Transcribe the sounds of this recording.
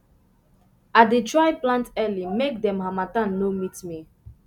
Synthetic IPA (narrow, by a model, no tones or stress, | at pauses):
adetɹajplãntɛlimek̚dɛ̃mɦamatãnːomitmi